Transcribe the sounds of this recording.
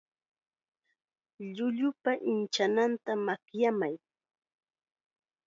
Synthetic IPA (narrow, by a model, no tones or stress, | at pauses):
ʎʊʎʊpaʔɪnt͡ʃanant̪amakjamaj